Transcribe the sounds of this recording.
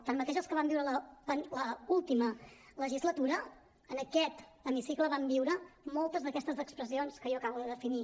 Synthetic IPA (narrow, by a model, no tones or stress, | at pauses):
t̪əɾmət̪eʒəlˠskəβambiwɾələbanləulˠt̪imələʒizlət̪uɾə | ənəkɛt̪əmisikləβambiwɾəmolˠt̪əzðəkɛst̪əzðəkspɾəsionskəjɔəkaβuðəðəfini